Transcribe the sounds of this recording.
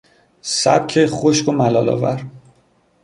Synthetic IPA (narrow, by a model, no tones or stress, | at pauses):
sæ̰b̥̚cʰeχoʃkomælɒːlɒ̰ːvæɾ